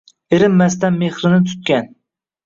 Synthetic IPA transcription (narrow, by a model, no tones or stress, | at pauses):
ɪɾɪmːast̪anme̞χɾɪnɪt̪ʰʊ̥t̪̚kʲan